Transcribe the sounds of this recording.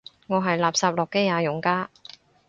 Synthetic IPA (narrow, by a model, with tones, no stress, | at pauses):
ŋɔː˨˧ɦɐ˨jlaː˨p̚saː˧p̚lʊ˨kːe˥jaː˨˧jʊ˨ŋkaː˥